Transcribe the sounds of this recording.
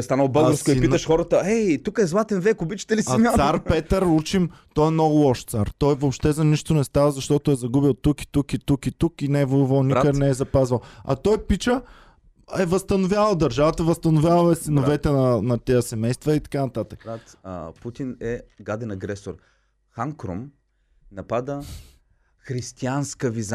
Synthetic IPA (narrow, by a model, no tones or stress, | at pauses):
st̪anəlˠbɤlˠɡəɾsk̪koippiəʃxɔɾət̪əɛt̪ukəɛzlˠat̪ɛnvɛkobit͡ʃə̥t̪ɛlisainʲaaɾpɛt̪əɾut͡ʃimt̪ɔɛmnɔɡʊlˠɔʃt̪saɾt̪ɔjvopʃt̪ɛzɐniʃt̪ʊnɛst̪avəzɐʃt̪ɔt̪ʊɛzɐɡubilˠt̪uki̥t̪ukit̪ukit̪ukinɛɛvojuvəlˠnikənɛɛzɐpazvəlˠɐ̰t̪ɔjpit͡ʃə | ɛvɐst̪ɐnʊvjavləd̪ɐɾʒavət̪əvɐst̪ɐnʊvʲjavəlɛsinovɛt̪ɛnɐnɐt̪ɛjəsɛmɛjst̪vɐit̪ɐ̥kanɐt̪at̪ək | put̪inɛɡad̪ɛnɐɡɾɛsoɾ | xaŋkɾo̰m | nɐpad̪ə | xɾist̪ianskəviz